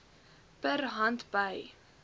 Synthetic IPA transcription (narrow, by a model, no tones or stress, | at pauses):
pərɦɐntb̥əj